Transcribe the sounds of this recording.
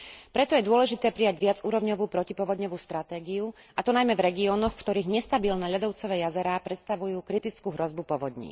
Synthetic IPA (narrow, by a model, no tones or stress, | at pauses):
pɾɛt̪ɔjɛd̪ʊɔlɛʒit̪ɛːpɾijaɟʋɪad͡zuːɾɔʋɲɔʋuːpɾɔcipɔʋɔd̪ɲɔʋuːst̪ɾat̪ɛːɡiu | ʔat̪ɔnajmɛvɾɛɡiɔːnɔxfkt̪ɔɾiːɣɲɛst̪abiːlnɛʎad̪ɔʊt͡sɔʋɛːjazɛɾaːpɾɛt̪st̪aʋujuːkɾit̪it͡skuɦɾɔzbupɔʋɔd̪ɲḭː